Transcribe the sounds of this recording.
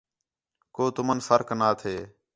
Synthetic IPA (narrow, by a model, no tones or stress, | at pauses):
koːt̪ʊmənfəɾknaːt̪ʰeː